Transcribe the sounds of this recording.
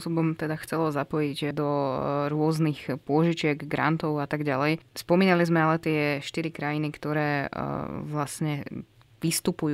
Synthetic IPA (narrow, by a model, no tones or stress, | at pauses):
pɔsɔbɔmt̪ɛd̪axt͡sɛlɔzapɔjiɟd̪ɔɾʊɔznixpʊɔʒit͡ʃɪɛɡɡɾa̰nt̪ɔʊat̪aɡɟalɛjspɔmiːnalizmɛalɛt̪ɪɛʃt̪iɾikɾajinikt̪ɔɾɛ̰ː | ʋlasɲɛ | ʋist̪upuju